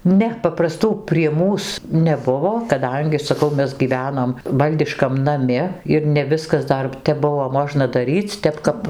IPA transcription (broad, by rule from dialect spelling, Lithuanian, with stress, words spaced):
ˈnʲɛ pɐprɐˈstuː pʲrʲiɛ ˈmuːs nʲɛˈbʊʋoː kɐˈdɐŋʲɡʲɪ sɐˈkɐʊ ˈmʲɛs ɡʲiːˈʋʲæːnoːm ˈʋɐlʲdʲɪʃkɐm nɐˈmʲɪ ɪr nʲɛ ˈʋʲɪskɐs ˈdɐr tʲɛp ˈbʊʋoː ˈmoːʒnɐ dɐˈrʲiːt͡sʲ ˈtʲɛp kɐp